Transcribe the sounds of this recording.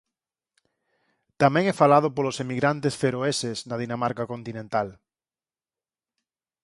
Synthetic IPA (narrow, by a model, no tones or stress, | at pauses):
t̪amɛ̃ŋɛfalað̞opolosemiɣɾant̪esfeɾoesesnaðinamaɾkakont̪inẽnt̪al